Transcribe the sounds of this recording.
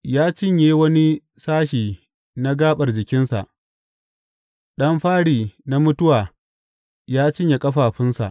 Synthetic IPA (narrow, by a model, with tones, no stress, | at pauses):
jaː˦t͡ʃɪ˦˨ɲjeː˦wɐ˦ni˦ | saː˦ʃiː˨ | na˦ɡaː˦ɓɐ˨rd͡ʒɪ˨kʲɪ˦nsa̰˨ʔ | ɗɐ˦mɸaː˦ɽiː˨na˦mʊ˦tʊ˦waː˨ | jaː˦t͡ʃɪ˦ɲje˨kʼɐ˦ɸaː˨ɸɪ˦nsa̰˨ʔ